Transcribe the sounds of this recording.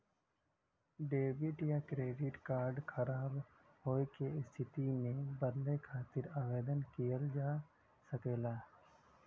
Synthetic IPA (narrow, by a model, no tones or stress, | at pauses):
ɖeːbɪʈjakɾeːɖɪʈkaːɾɖkʰɐɾaːb | hoːekeɪst̪ʰɪt̪imẽbəɾlekʰaːt̪ɪɾaːʋeːd̪ənkijəld͡ʒaː | səkeːlaː